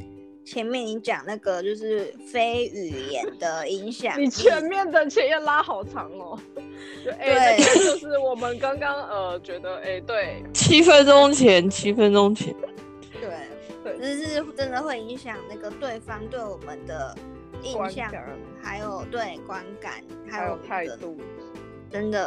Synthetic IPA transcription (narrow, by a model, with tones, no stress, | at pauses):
t͡ɕʰjɛ˧˥nmjɛ˥˩ni˧˥t͡ɕjɑ˨˩ŋna˥˩ɡə˨t͡ɕjo˥˧ʊʂɻ̩˥˩fe˥ɪy˨˩jɛ̰˧˦nd̪ə˧i˧˥ŋɕjɑ̰˨˩ni˨˩t͡ɕʰɥɛ˧˥nmjɛ˥˩nd̪ə˨t͡ɕʰɛ˧˥jɛ˥˩la˥xɑ˨˩ʊʈ͡ʂʰɑ˧˥ŋlə˧˦˧ | e˥we˥˩˨ɪt͡ɕjo˥˧ʊʂɻ̩˥˩wɔ˨˩mə˦nkɑ˥ŋkɑ˥ŋə˧t͡ɕɥɛ˧˥d̪ə˧ʔe˥˩ɪt̪we˥˩ɪt͡ɕʰi˥fə˥nʈ͡ʂo˥ŋt͡ɕʰjɛ˧˥nt͡ɕʰi˥fə˦nʈ͡ʂʊ˥ŋt͡ɕʰjɛ̰˧˦n | t̪we˥˩ɪ | t̪we˥˩˨ʂɻ̩˥˩ʈ͡ʂə˦nd̪ə˨xwe˥˩ɪi˧˥ŋɕjɑ˨˩ŋna˥˩ɡə˩t̪we˥˩ɪfɑ˥ŋt̪we˥˩ɪwɔ˨˩mə˨nd̪ə˦ | i˥˧ɕjɑ˥˩˨ | xa˧˥ɪjo˨˩ʊt̪we˥˩ɪkwa˦˥nka̰˨˩˦n | xa˧˥jo˨˩t̪ʰa˥˩ɪ˩t̪ɔ˥ | ʈ͡ʂə˦˥nd̪ə˨